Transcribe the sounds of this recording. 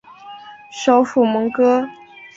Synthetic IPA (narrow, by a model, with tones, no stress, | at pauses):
ʂo˧˥ʊfu˨˩mɤ˧˥ŋkɤ˥